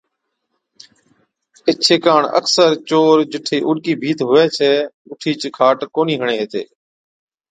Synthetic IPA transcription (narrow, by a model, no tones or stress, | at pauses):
ɪt͡ʃʰeːkaːɳə̰ksəɾt͡ʃoːɾd͡ʒɪʈʰeːʔʊɗkiːbʱiːt̪ɦʊʋɛːt͡ʃʰɛːʊʈʰiːt͡ʃkʰaːʈkoːniːɦəɳeːɦeːt̪ḛː